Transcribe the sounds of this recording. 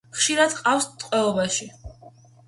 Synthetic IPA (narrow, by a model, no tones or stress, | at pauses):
χʃiɾad̪qʼafst̪ʼqʼwɛlˠɔbaʃi